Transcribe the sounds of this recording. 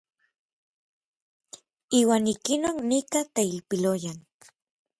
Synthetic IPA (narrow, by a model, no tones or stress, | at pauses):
iːwaːnikinoknikat̪eilpilojan